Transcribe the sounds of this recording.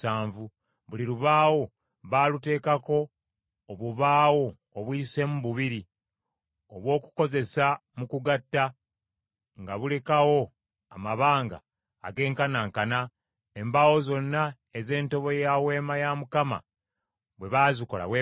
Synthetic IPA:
aːɱvu | βuliɾuβaːwo̞ | βaːlute̞ːkako̞ː | βuβaːwo̞ː | βwise̞muβuβiɾi | oβwo̞ːku̥ko̞ze̞samukuɡatːa | ŋɡaβule̞kawo̞ | amaβaːŋɡa̰ː | ɡe̞ːŋkanaːŋkana | e̞mbawo̞zo̞nːa | eze̞ːnto̞βo̞jawe̞ːmajamukama̰ | βwe̞βaːziko̞la̰βwe

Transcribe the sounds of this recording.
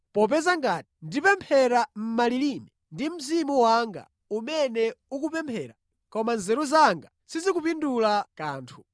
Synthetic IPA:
pɔp̬ɛzaŋɡati̥ndipɛmpʰɛɾam̩malilimɛ | ndim̩zimuwaŋɡa̰ | umɛnɛuk̬upɛmpʰɛɾa̰ | kɔmanzɛɾuzaŋɡa | sizikupindulakaːntʰu̥

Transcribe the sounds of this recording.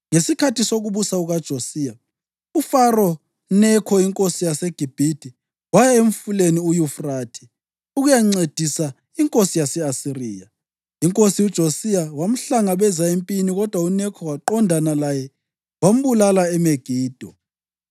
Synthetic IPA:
ŋesikʰatʰisoɣuβusauɣad̥ʒ̥ʱosiːja | ufarɔ | nɛkʰɔiŋkʼosijaseɡ̥ʱib̥ʱid̥ʱi | wajaeɱ̩fuleniujufraːtʰi̥ | uɣujaŋ͡ǀed̥ʱisa | iŋkʼosijasɛasiriːja | iŋkʼosiud̥ʒ̥ʱosijawam̩ɬaŋaβɛzaempʼiniɣɔd̥ʱwaunɛkʰɔwaǃɔndʱanalajɛ | wam̩bulalaɛmeɡ̥ʱiːd̥ʱɔ

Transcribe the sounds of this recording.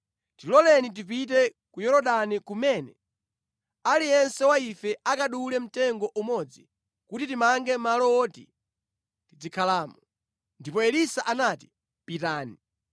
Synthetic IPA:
tilɔlɛnit̬ip̬it̬ɛkujɔɾɔɗanikumɛnɛ | alijɛnsɛwaifɛʔakaɗulɛm̩tɛŋɡɔʔumɔd͡zi | kutitimaŋɡɛmalɔɔːtḭ | tid͡zikʰalaːmɔ | ndipɔɛlisaʔanati̥ | pitaːni

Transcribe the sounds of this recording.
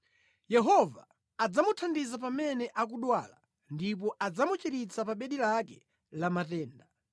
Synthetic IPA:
jɛɦɔvaː | d͡zamutʰandizapamɛnɛʔak̬uɗwala̰ | ndip̬ɔʔad͡zamut͡ʃiɾit͡sʰapaɓɛɗilakɛ | lamatɛːnda

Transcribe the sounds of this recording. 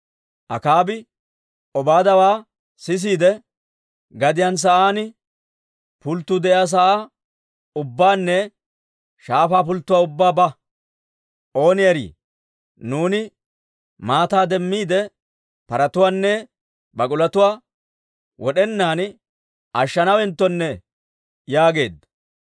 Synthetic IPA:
ʔɐ̰kaːbɪ | ɔbaːd̪ɐwaː | sɪs̬iːd̪ɛ | ɡɐd̪ɪjaːns̬ɐʔaːnɪ | pʊlt̪ːʊd̪ɛʔɪaːs̬ɐʔa | ʊbːaːnːɛ | ʃaːfaːp̬ʊlt̪ːʊwaːʊbːaːbɐ | ʔo̞ːnɪjɐɾḭː | nuːnɪ | maːt̪aːd̪ɛmːiːd̪ɛ | pɐɾɐt̪ʊwaːnːɛ | bɐkʼʊlɐt̪ʊwaː | wɔɗɛnːaːn | ʔɐʃːɐnɐwɛnt̪ːɔnːɛ | jaːɡe̞ːd̪ːɐ

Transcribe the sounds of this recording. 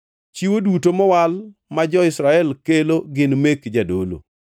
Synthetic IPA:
t͡ʃiwodutomɔwalmad͡ʒɔɪsɾaɛlkeloɡɪnmekd͡ʒadolo̰

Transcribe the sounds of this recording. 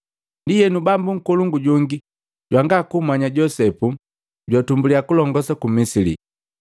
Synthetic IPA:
ndijɛnubambuŋ̩kuluŋɡuɟuŋɡi | ɟwaŋɡakumaɲaɟɔsɛpu | ɟwatumbulijakulɔŋɡɔsakumisilḭ

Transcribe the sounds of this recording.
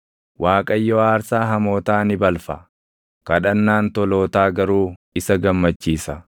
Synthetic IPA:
waːkʼɐjːɔaːɾsaːɦɐmo̞ːt̪aːnɪbɐlfɐ | kɐᶑɐnːaːnt̪ɔlo̞ːt̪aːɡɐɾuːɪsɐɡɐmːɐt͡ʃːiːsɐ

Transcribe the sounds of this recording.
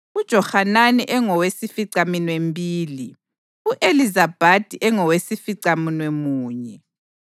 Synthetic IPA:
ud̥ʒ̥ʱɔhananiʔɛŋɔwesifiǀaminwembʱiːli | uʔelizab̥ʱad̥ʱiʔɛŋɔwesifiǀaminwemuːɲɛ

